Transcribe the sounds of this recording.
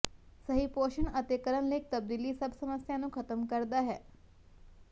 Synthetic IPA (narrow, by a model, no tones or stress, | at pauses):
sɐɦipoːʃənɐt̪ekəɾəɳleːk̚t̪ɐb̚d̪iːlisɐbsɐməsjãnũkʰɐt̪əmkɐɾd̪aɦɛː